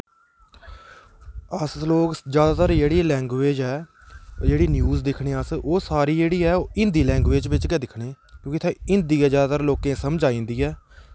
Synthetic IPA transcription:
əsloːkd͡ʒjaːd̪aːt̪əɾd͡ʒeːɽiːlɛ̃ːŋɡʋeːd͡ʒɛː | d͡ʒeːɽiːnjuːzd̪ɪkʰɽeːəsoːsaːɾiːd͡ʒeːɽiːɛːoːɪ̃nd̪iːlɛ̃ːŋɡʋeːd͡ʒʋɪt͡ʃɡɛːd̪ɪkʰɽeːkjõːkɪt̪ʰɛ̃ːɪ̃nd̪iːɛːd͡ʒjaːd̪aːt̪əɾloːkẽːsəmd͡ʒaːĩːnd̪iːɛː

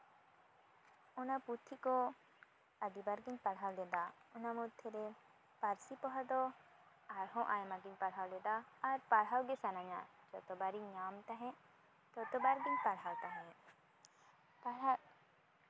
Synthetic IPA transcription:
ɔnaput̪ʰːikɔ | əd̪ibaɾɡiɲpaɽɦawlɛd̪aɔnamɔd̪ʰʱɛɾɛ | paɾsipɔɦad̪ɔ | aɾɦɔ̃ʔajmaɡiɲpaɽɦawlɛd̪aːɾpaɽɦawɡɛsanaɲa̰d͡ʒɔt̪ɔbaɾiɲamt̪ãɦɛ̃ | t̪ɔt̪ɔbaɾɡiɲpaɽɦawt̪aɦɛ̃ | paɽa

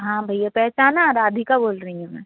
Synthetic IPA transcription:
ɦãːbʱɐɪjapɛɦt͡ʃaːnaɾaːd̪ʱikaboːlɾɐɦĩɦũmɛ̃ː

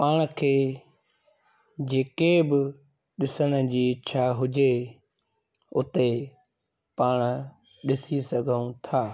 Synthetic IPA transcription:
paːɽ̃əkʰeː | d͡ʑeːkebɪ | ɗɪsəɽ̃ə̆d͡ʑiːɪtːʃʰaɦʊd͡ʑe | ʊt̪e | paːɽ̃ə̆ | ɗɪsisɐɡʱəũt̪ʰaː

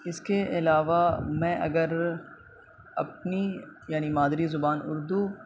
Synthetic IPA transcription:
ɪskeʔɪlaːʋamɛ̃ʔɐ̰ɡəɾ | ɐp̚nijaːnimaːd̪ɾizʊbaːnʊɾd̪u

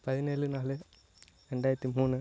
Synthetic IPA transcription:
pɐðineːlɨnaːlɨ | ɾeɳɖaːjɾɐt̪ːimuːnːɨ

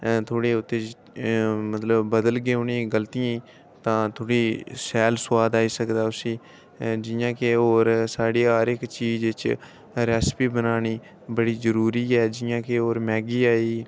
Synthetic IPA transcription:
t̪ʰoːɽeːʊt̪ːeː | mət̪ləbːəd̪əlɡeːonĩːɡəlt̪ijãː | t̪ãːt̪ʰoːɽiːsɛːlswaːd̪aːiːsəkd̪aːʊsĩː | d͡ʒɪjãːkeoːɾsaːɽiːɦaːɾɪkt͡ʃiːzɪt͡ʃ | ɾɛːspiːbənaːniː | bəɽiːzəɾuːɾiːɛːd͡ʒɪjãːkeoːɾmɛːɡiːaːiː

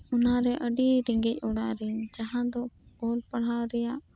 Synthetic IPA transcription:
ɔnaɾɛʔəɖiɾɛŋɡɛc̚ˀɔɽa̰ʔɾɛɲd͡ʒaɦãd̪ɔ | kɔlpaɽ̤aɾɛjaʔ

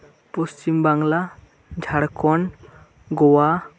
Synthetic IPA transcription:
post͡ʃimbaŋla | d͡ʒʱaɽkɔn | ɡɔwa

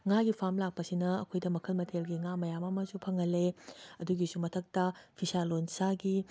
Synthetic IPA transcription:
ŋaɡipʰamlak̚pɐsinɐːkʰojdɐmɐkʰɐlmɐtʰelɡiŋamɐjamɐmɐzupʰɐŋɐlːeɐduɡisumɐtʰɐk̚tɐpʰisalonsaɡi

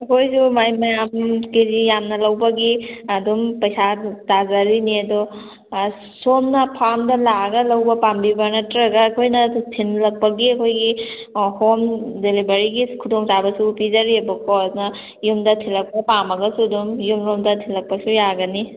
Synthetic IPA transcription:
ɐkʰojsumajmajamkezijamnɐlɐwbaɡiɐdɔmpɐjsadazaɾiniɐdɔ | somnɐpʰamdɐlaɡɐlawbɐpambibaɾnɐtɾaɡaːkʰojnɐtʰinlɐk̚paɡiɐkʰojɡihomdelibaɾiɡikʰudɔŋsabɐsupizaɾiabɐkɔsnɐ | jumdɐtʰinlɐk̚papamɐɡɐsudɔmjumɾomdɐtʰinlɐk̚pasujaɡɐni

